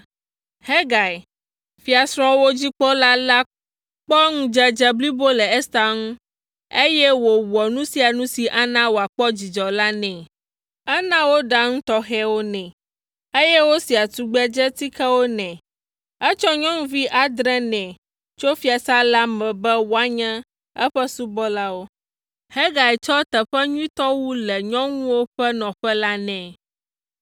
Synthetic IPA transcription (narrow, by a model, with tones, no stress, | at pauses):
hɛ˦ɡa˨i˨ | fi˦a˨sɾ̃ɔ̃˦wo˦d͡ʑi˦k͡pɔ˦la˦la˦ | k͡pɔ˦ŋũ˦d͡ʒɛ˦d͡ʒɛ˦bli˦bo˦lɛ˨ɛ˦st̪a˦ŋũ˦ | e˦jɛ˦wo˨wɔ˨nũ˦si˦a˨nũ˦si˨ʔa˦nã˦wo˨a˨k͡pɔ˦d͡ʑi˨d͡ʒɔ˨la˦nɛ̃˨ | ɛ˦nã˦wo˦ɖa˦ŋ̩̃˦t̪ɔ˦ɦɛ˦wo˦nɛ̃˨ | e˦jɛ˦wo˦si˨a˨t̪u˨ɡ͡bɛ˦d͡ʒɛ˦t̪i˦kɛ˦wo˦nɛ̃˨ | ɛ˦t͡ʃɔ˦ɲɔ̃˦ŋũ˦vi˦ʔa˨d̪ɾɛ̃˦nɛ̃˨ | t͡ʃo˦fi˦a˨sa˦la˦mɛ̃˨bɛ˦wo˨a˨ɲɛ̃˦ | ɛ̰˦ɸɛ˦su˦bɔ˦la˦wo˦ | hɛ˦ɡa˨ɛ˨t͡ʃɔ˦t̪ɛ˨ɸɛ˦ɲũ˦ĩ˦t̪ɔ˦wu˦lɛ˨ɲɔ̃˦ŋũ˦wo˦ɸɛ˦nɔ̃˨ɸɛ˦la˦nɛ̃˨